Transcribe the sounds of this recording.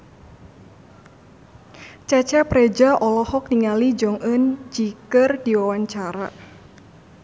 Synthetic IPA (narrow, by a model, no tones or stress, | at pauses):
t͡ʃɛt͡ʃɛpɾɛd͡ʒaʔɔlɔhɔk̚niŋalid͡ʒɔŋʔənt͡ʃikərdiwawaɲt͡ʃaɾa̰